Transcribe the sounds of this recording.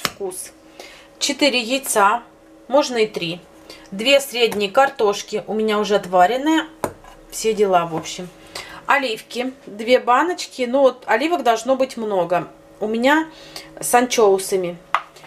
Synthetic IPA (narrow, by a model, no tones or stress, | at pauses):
fkus | t͡ɕɪt̪ɨɾʲɪjɪt̪sa | mo̞ʐnəɪt̪ɾʲi | d̪vʲe̞sɾʲedʲnʲɪjəkɐrt̪o̞ʂkʲɪʔʊmʲɪnʲaʊʐɛɐt̪vaɾʲɪnːɨjə | fsʲe̞dʲɪlˠavo̞pɕːɪm | ɐlʲifkʲɪd̪vʲe̞banət͡ɕkʲɪnuot̪ɐlʲivəɡd̪ɐlˠʐno̞bɨtʲmno̞ɡə | ʊmʲɪnʲasɐnt͡ɕoʊsɨmʲɪ